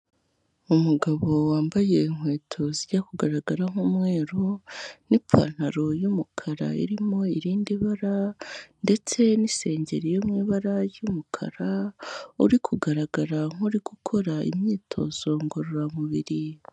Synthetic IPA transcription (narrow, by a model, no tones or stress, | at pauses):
umuɡaβo̞waːmbaje̞iŋ̥we̞ːtʰo̞ziɟakuɡaɾaɡaɾaŋ̥umŋe̞ːɾonip͡fa̰n̥haɾo̞jumukʰaɾa̰ḭɾimo̞iɾiːndiβaɾande̞t͡se̞nise̞ːɲɟe̞ɾijomŋiːβaɾajumukʰa̰ɾaṵɾikʰuɡaɾaɡaɾaŋ̥uɾiɡ̥ukʰo̞ɾaḭmɲiːtʰo̞z̥o̞ŋɡoɾuɾamuβiɾi